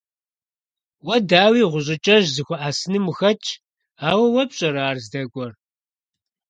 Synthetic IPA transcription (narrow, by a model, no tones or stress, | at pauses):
wɐdaːwiːʁʷʊɕʼɪt͡ʃʼɐʒzɨxʷʊʔaːsɨnɨmuxɐt͡ʃʰʼ | aːwɐwɐpɕʼɐɾaːrzdɐɡʷʼɔr